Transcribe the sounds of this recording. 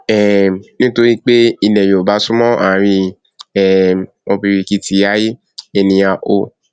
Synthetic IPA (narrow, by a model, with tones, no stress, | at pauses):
ɛ˨nĩ˦to˧ɾi˦k͡pe˦i˧nɛ˨jo˨ba˨˦sũ˦mɔ̃˦a˨˦ɾ̃ĩ˧ | ɛ˨ | o˧bi˧ɾi˧ki˧ti˨˦ja˦ji˦ | e˧nĩ˧a˧˨ʔo˧